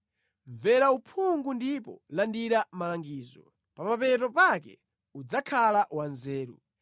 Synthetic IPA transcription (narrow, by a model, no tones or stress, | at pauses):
ɱvɛɾaupʰuŋɡundipɔ̰landiɾamalaŋɡiːzɔ̰ | pamapɛt̬ɔpakɛ̰ | ud͡zakʰalaʔwanzɛːɾṵ